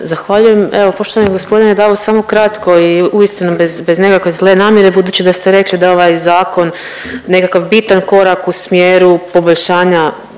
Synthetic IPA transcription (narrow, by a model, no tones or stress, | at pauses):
zaxʋaʎuje̞meʋo̞po̞ʃt̪oʋaniɡospo̞d̪ined̪aʋosamo̞kɾat̪ko̞iuist̪inubezbe̞zne̞kakʋe̞zle̞naːmje̞ɾe̞bud̪uːt͡ɕid̪ast̪eɾe̞klid̪ao̞ʋajzaːko̞nː | e̞kakaʋbit̪anko̞ɾakusmjeːɾupo̞boʎʲʃaːɲa